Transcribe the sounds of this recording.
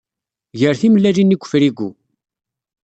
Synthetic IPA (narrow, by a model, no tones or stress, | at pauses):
ʝəɾθiməlːælinːiɡʷːə̥fɾiɡʷu